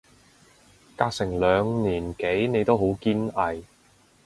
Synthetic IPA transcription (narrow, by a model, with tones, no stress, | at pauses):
kaː˧k̚sɪ˨˩ŋlœː˨˧ŋniː˨˩nke˨˥jne˨˧jt̪o˥wɦo˨˥wkiː˥nɐ˨j